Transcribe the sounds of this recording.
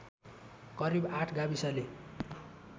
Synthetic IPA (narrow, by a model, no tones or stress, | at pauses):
kʌɾibaʈʰɡabisale